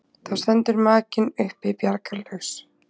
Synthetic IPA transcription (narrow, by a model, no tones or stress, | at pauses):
θawst̪ɛnt̪ʏɾmaːcɪnʏhpɪðpjaɾkalʏxs